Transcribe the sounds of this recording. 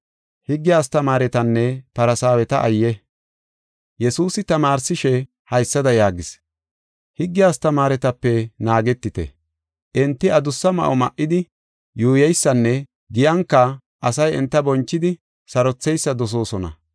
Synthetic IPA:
hɪɡːɪjaːst̪ɐmaːɾɛt̪ɐnːɛpɐɾɐsaːwɛt̪ɐʔɐjːɛ | jɛsuːsɪt̪ɐmaːɾsɪʃɛ | hɐjsːɐd̪ɐjaːɡɪs | hɪɡːɪjaːst̪ɐmaːɾɛt̪ɐpːɛnaːɡɛt̪ːɪt̪ɛ̰ | ʔɛnt̪ːɪɐd̪ʊsːɐmɐ̰ʔɔmɐ̰ʔːɪd̪ɪ | juːjɛjsːɐnːɛ | ɡɪjɐŋkːɐ | ʔɐsɐjɛnt̪ːɐbɔnt͡ʃːɪd̪ɪ | sɐɾɔt͡sːɛjsːɐd̪ɔs̬o̞ːsɔnɐ̰

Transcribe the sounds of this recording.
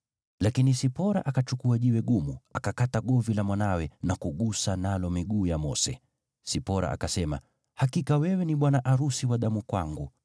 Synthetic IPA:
lakinisipɔɾa̰ʔakat͡ʃukuaʄiwɛɠumuakakataɠɔvilamwanawɛnakuɠusanalɔmiɠuːjamɔsɛ̰ | sipɔɾa̰ʔa̰kasɛma̰ | hakikawɛwɛniɓwanaʔaɾusiwaɗamukwa̰ŋɡu

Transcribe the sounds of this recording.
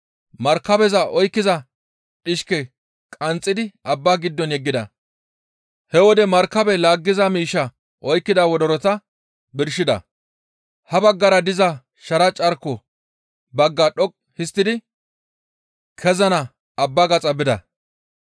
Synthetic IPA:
mɐɾkːɐbɛzɐʔɔjkːɪzɐ | ᶑɪʃkɛ | kʼɐnt͡sʼːɪd̪ɪʔɐbːaːɡɪd̪ːɔnjɛɡːɪd̪ɐ̰ | hɛwɔd̪ɛmɐɾkːɐbɛlaːɡːɪzɐmiːʃːɐ | ʔɔjkːɪd̪ɐwɔd̪ɔɾɔt̪ɐ | bɪɾʃɪd̪ɐ̰ | hɐbɐɡːɐɾɐd̪ɪzɐ | ʃɐɾɐt͡ʃʼɐɾkːɔ | bɐɡːaɗɔkʼ | hɪst̪ːɪd̪ɪ | kʰɛzɐnɐ | ɐbːaːɡɐt͡sʼɐbɪd̪ɐ̰

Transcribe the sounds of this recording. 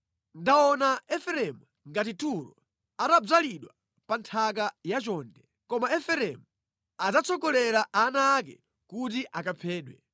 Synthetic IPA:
ndaɔnaɛfɛɾɛmu | ŋɡat̬ituɾɔ̰ | atab͡ʐaliɗwa | pantʰakajat͡ʃɔndɛ | kɔmaɛfɛɾɛmu | ad͡zat͡sʰɔkɔlɛɾaʔanaːkɛ̰ | kut̬iʔakapʰɛːɗwɛ

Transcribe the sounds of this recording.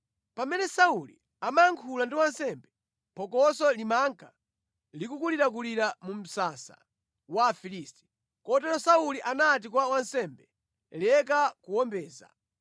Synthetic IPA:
pamɛnɛsaulḭ | amaŋkʰulandiwansɛmbɛ | pʰɔkɔsɔlimaŋkʰa | likukuliɾak̬uliɾamum̩sasa̰ | wafilisti̥ | kɔtɛɾɔsauliʔanat̬ikwawansɛmbɛ | lɛkakuwɔmbɛːza̰

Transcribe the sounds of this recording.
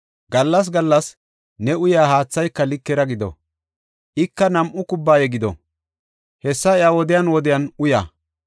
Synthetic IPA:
ɡɐlːɐs̬ɡɐlːɐs | nɛʊjaːhaːt͡sːɐjkːɐlɪkːɛɾɐɡɪd̪ɔ̰ | ʔɪkːɐnɐmʔʊkʊbːaːjɛɡɪd̪ɔ̰ | hɛsːɐɪjaːwɔd̪ɪjɐnwɔd̪ɪjɐnʊja̰

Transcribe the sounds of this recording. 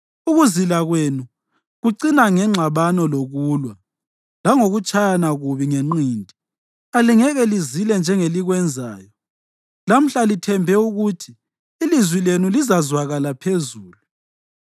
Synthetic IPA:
uɣuzilaɣwenu | ɣuǀinaŋɛŋ͡ǁʱaβanɔloɣuːlwa | laŋoɣut͡ʃʼʰajanaɣuβiŋeŋ͡ǃiːndʱi | aliŋɛɣɛlizilɛnd͡ʒʱɛŋeliɣwɛnd͡zʱaːjɔ | lam̩ɬalitʰɛmbʱɛuɣutʰiː | lizwilenulizazwaɣalapʰezuːlu

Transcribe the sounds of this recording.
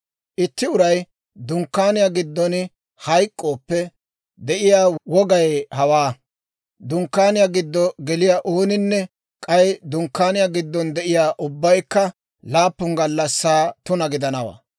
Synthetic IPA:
ʔɪt̪ːɪʊɾɐj | d̪ʊŋkːaːnɪjaɡɪd̪ːɔn | hɐjkʼːo̞ːpːɛ | d̪ɛʔɪjaːwɔɡɐjhɐwaː | d̪ʊŋkːaːnɪjaɡɪd̪ːɔɡɛlɪjaʔoːnɪnːɛ | kʼɐjd̪ʊŋkːaːnɪjaɡɪd̪ːɔnd̪ɛʔɪjaːʔʊbːɐjkːɐ | laːpːʊŋɡɐlːɐsːaːt̪ʊnɐɡɪd̪ɐnɐwa̰ː

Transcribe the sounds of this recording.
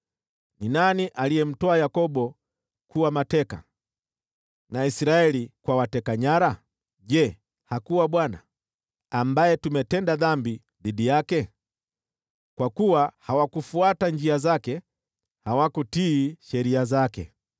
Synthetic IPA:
ninaniʔalijɛm̩tɔajakɔɓɔ | kuwamatɛka̰ | naisɾaɛlikwawatɛkaɲaɾa | ʄɛ | hakuwaɓwana̰ | ambajɛtumɛtɛndaðambi | ðiɗijakɛ | kwakuwahawakufuatand͡ʒiazakɛ | hawakutiːʃɛɾiazakɛ̰

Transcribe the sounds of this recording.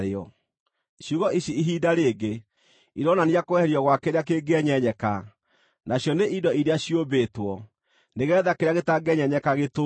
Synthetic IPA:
ɾeɔ | ɕjuɣɔiɕiiɦiːdaɾeːɡe | iɾɔnaniakoɛɛɾiɔɣwakeɾeak̬eɡeɛɲɛɲɛka | naɕjɔneidɔiɾeaɕiobeːtwɔ | neɣɛːðakeɾeaɣetaɡɛɲɛɲɛkaɣeto

